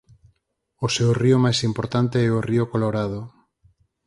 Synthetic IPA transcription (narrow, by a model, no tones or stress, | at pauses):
ʊsewriʊmajsimpoɾt̪ant̪eɛʊriʊkoloɾað̞o